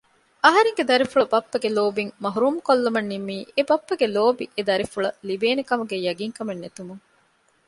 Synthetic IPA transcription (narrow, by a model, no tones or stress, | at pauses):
ɐɦɐɾeŋɡed̪ɐɾifuɭɐbɐpːɐɡeloːbiŋmɐɦuɾuːmkolːɐmɐnːimːiːebɐpːɐɡeloːbiʔed̪ɐɾifuɭɐlibeːnekɐmuɡejɐɡiŋkɐmɐnːet̪umuŋ